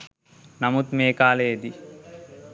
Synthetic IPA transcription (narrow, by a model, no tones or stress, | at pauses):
namut̪meːkaːleed̪i